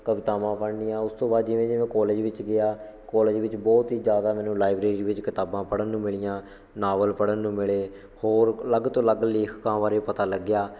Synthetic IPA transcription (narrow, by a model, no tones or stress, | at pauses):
kəʋɪt̪aːʋãːpəɽnijãːʊst̪õːbaːd̪d͡ʒɪʋẽːd͡ʒɪʋẽːkɔːleːd͡ʒʋɪt͡ʃɡɪjaː | kɔːleːd͡ʒʋɪt͡ʃbɔːt̪ɦiːd͡ʒjaːd̪aːmɛ̃ːnũːlaːɪbɾeːɾiːʋɪt͡ʃkɪt̪aːbãːpəɽənːũːmɪɭɪjãː | naːʋəlpəɽənːũːmɪɭeː | hoːɾləɡt̪õːləɡleːkʰkãːʋaːɾeːpət̪aːləɡːjaː